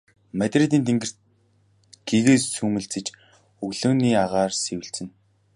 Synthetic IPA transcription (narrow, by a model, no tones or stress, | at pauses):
mat̪ʲret̪iːnt̪ʰeŋɡɘ̆r̥ | ɡ̥eɣeːssuːmɘ̆ɮt͡sɘ̆t͡ɕ | ɵɣɮɵ̆ːniːaʁaːrsewɘ̆ɬt͡sɘ̆n